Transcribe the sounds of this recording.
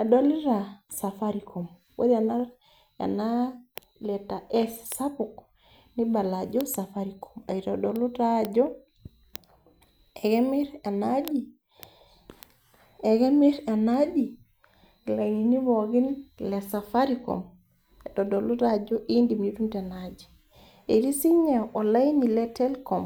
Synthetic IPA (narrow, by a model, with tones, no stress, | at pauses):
a˨do˦li˦ɾa˨sa˨faɾi˨kʰɔ˨m | wo̰˦da˨na˦ɾ | ḛ˨na˦ | lɛ˨ta˨ʔɛ˦ssa˦pu˨k | ni˦ba˨lad͡ʒɔ˦sa˨fa˦ɾikʰɔ̥˨ma˨i˨tɔ˨dɔ˨lu˦tad͡ʒɔ˦ | ɛ˨ɡɛ˦mi˦ɾe˨nad͡ʒi˨ | e˨ɡe˦mi˦ɾe˨nad͡ʒi˨ | la˨ɲi˨ni˦βɔɡi˦nlesafaɾikɔ̰m | e˨dɔdɔ˨lu˦ɾad͡ʒɔ˦ʔi˦ndimnitu˦nte˨nad͡ʒi̥˨ | e˨ɾi˦si˦ɲa˨ɔ˨la˦ini˨lɛtɛ˦lkɔ˨m